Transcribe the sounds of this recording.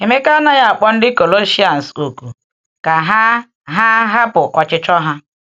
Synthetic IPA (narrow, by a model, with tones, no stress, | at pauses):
e˨me˦ka˦na˨ja˦a˨k͡pɔ˦n̩˦dɪ˦ko˨lo˦ʃi˦a˨n̩˨so˨ku˨ | ka˨ɦa˦ | ɦa˦ɦa˦pʊ˨kɔ˨t͡ʃɪ˦t͡ʃɔ˦ɦa˦